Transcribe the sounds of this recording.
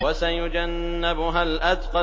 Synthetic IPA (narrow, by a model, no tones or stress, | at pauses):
wasajʊd͡ʒanːɪbʊɦalʔad̪qɑ